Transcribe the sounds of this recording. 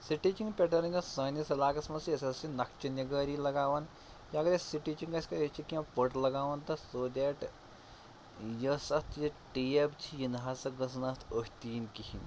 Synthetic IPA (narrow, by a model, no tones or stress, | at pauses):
siʈit͡ʃiŋɡpʲeʈɐɾɐnʲɐsɐːnɐsɐlaːkɐsmɐnsjɐsɐsinɐkt͡ʃɐniɡəɾilɐɡaːʋɐn | jaɡɐɾɐsiʈiːt͡ʃiŋɡɐsʲkɐɐt͡ʃʰikiãpəʈlɐɡaːʋɐnt̪ɐsoːd̪ʲeːʈ | jɐsɐst̪jɐʈiebt͡ʃʰijinɦasɐɡɐs̬nɐst̪ʰoɦʲt̪iːnkihin